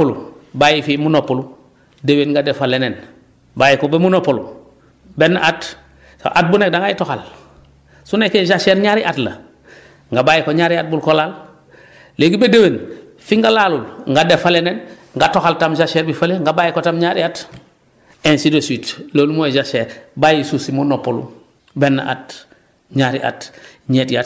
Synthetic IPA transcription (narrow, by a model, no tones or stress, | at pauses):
ulubajifimunopulu | dewenŋɡadefalenen | baːjikobemunopolu | benat | ʔat̚bunek̚daŋɡajitoxal | sunekːeʒaʃeːɾɲaɾiʔatlɐ̰ | ŋɡabajikoɲaɾiat̚bulkolal | leɡibedewen | fiŋɡalaːlulŋɡadefalenen | ŋɡatoxaltamd͡ʒaʃeɾbifaleŋɡabajikotamɲaɾiat | ensidoswitlolumoeʒaʃeɾbajisusimonopːolṵ | benːa̰ʔa̰t | ɲaɾḭʔa̰tɲeːtjat